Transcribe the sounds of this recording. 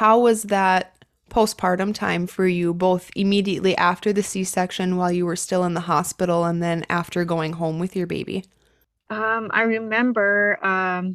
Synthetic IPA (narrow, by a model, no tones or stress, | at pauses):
haʊwʌzðət̚ | pʰoʊspʰɑɹɾə̃mtʰã̰ɪ̃ɱfə˞jɨboʊθɨmiɾiɨʔliʔæftə˞ðɨsisɛkʃɨ̃nwaɪlˠjɨwə˞stɪlˠə̃nðəɦɑspɪɾl̩ˠə̃nðɨ̃næ̰ftə˞ɡoʊɪ̃ŋɦõʊ̃mwɨðjə˞bḛɪbḭ | ʔʌ̃ma̰ɪɹɨmɛ̃mbə˞ʌ̃m